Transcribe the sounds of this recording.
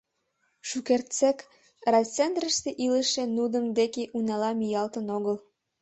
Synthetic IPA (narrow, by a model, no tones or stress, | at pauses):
ʃukert̪t͡sek | rɑt͡send̪rəʃt̪eʔiləʃĕnud̪əmd̪ekeʔunɑlɑmijɑlt̪ənoɣəl